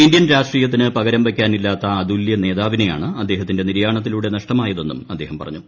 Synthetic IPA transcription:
indjɐnɾaːʂʈriːjɐt̪ːinɨpɐɣɐɾɐmʋekʲːaːnilːaːt̪ːɐːd̪uljɐne̞ːðaːʋine̞ja̰ːɳɨɐd̪ːe̞ːɦɐt̪ːinde̞niɾjaːɳɐt̪̬ːiluːɽe̞nɐʂʈɐmaːjɐðe̞nːṵmɐd̪ːe̞ːhɐmpɐ̰rɐ̰ɲːu

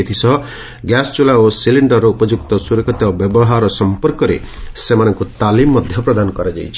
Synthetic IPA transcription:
et̪ʰisʰɔ | ɡjast͡ʃulaosiliɳɖɔɾːɔupɔd͡ʒuk̚t̪ɔsuɾɔkʰɔt̪ɔbjɔbɔɦaɾɔsɔmpɔɾkɔɾḛ | semanɔŋkut̪alimːɔd̪ʱjɔpɾɔd̪anɔkɔɾad͡ʒa̰jt͡ʃʰi̥

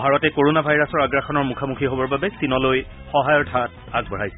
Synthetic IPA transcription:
bʱaɹɔtɛkoɹonabʱajɹasɔɹaɡɹaxɔnɔɹmukʰamukʰiɦobɔɹbabɛstinɔloj | xɔɦajɔtʰat̚ | aɡ̚bɔɹajsɛ

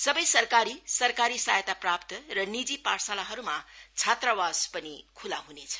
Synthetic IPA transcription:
sʌbʌjsʌrkaɾisʌrkaɾisajet̪aprapt̪ʌrʌnid͡zipaɾsalaɦʌɾumat͡sʰat̪rawaspʌnikʰulaɦunet͡sʰʌ̥

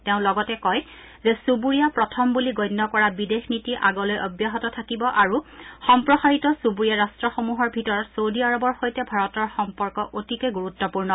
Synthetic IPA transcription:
teʊ̃lɔɡɔtɛkɔj | zɛsubuɹijapɹɔtʰɔmbuliɡɔjnːɔkɔɹabidexnitiʔaɡɔlojʔɔ̰bjaɦɔtɔtʰakibɔʔaɹuxɔmpɹɔxaɹitɔsubuɹijaɹastɹɔxomuɦɔɹbʱitɔɹɔtsowdiaɹɔbɔɹxojtɛbʱaɹɔtɔɹxɔmpɔɹkɔʔotikeɡuɹutːɔpuɹnɔ

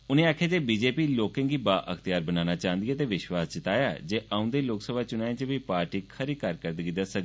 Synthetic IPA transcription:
ʊnẽːaːkʰjaːd͡ʒeːbiːd͡ʒeːpiːloːkɪ̃ːŋɡiːbaːʔə̰kʰt̪ɪjaːɾbənaːnaːt͡ʃãːənd̪ɪiaːt̪eːʋɪʃwaːst͡ʃət̪aːjaːd͡ʒeːʔaːʊ̃nd̪eːloːksəbʱaːt͡ʃʊnaːẽt͡ʃəʋiːpaːɾʈiːkʰəɾiːkəɾkəɾd̪əɡiːd̪asəɡ̪

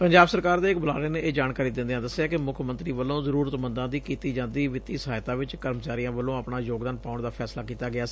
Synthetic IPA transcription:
pəɲd͡ʒaːbsəɾkaːɾd̪eːɪkbəlaːleːneːeːd͡ʒaːnkaːɾiːd̪ɪ̃nd̪eãːd̪əsːejaːkɪmʊkʰmə̃nt̪ɾiːʋəlːõːzəɾuːɾət̪mənd̪ãːd̪iːkiːt̪iːd͡ʒãːnd̪iːʋɪt̪iːsəɦaːjt̪ãːʋɪt͡ʃkəɾmət͡ʃaːɾijãːʋəlːõːəpɳaːjoːɡd̪aːnpaːʊɳd̪aːpʰɛːslaːkiːt̪aːɡɪaːsː

